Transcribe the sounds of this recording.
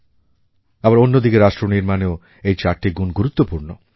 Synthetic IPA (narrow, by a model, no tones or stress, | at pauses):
abaɾonːod̪ikeɾaʃʈɾoniɾmaneo | ejt͡ɕaɾʈiɡunɡuɾut̪ːopuɾno